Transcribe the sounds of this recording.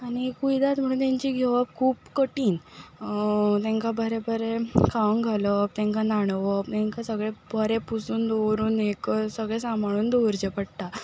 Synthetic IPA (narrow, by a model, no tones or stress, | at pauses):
aɽ̃ikujd̪at̪m̤əɽ̃uːnt̪ãɲt͡ɕiɡʱeʋəpkʰuːpkəʈiːn | t̪ɛ̃ŋkabʱəɾebʱəɾekʰaŋɡʱaləp̚t̪ɛ̃ŋkanaɽ̃ʋəp̚t̪ɛ̃ŋkasəɡɭebʱəɾepusuːnd̪owɾuːneksəɡɭɛsamʱaɭuːnd̪oɾd͡ʑepəɽt̪a